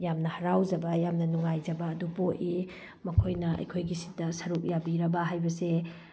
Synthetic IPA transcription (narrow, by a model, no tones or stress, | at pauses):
jamnɐhɐɾawzɐbɐjamnɐnuŋajzɐbɐːdupoʔi | mɐkʰojnɐɐ̰jkʰojɡisi̥tɐsɐɾuk̚jabiɾɐbɐɦajbɐse